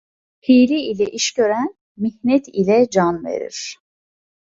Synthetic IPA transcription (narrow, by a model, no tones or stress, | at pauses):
pʰijliːlʲɛʔiʃcø̞ɾæn | miçnɛt̪ʰilʲɛd͡ʒanvḛɾḭɾ̥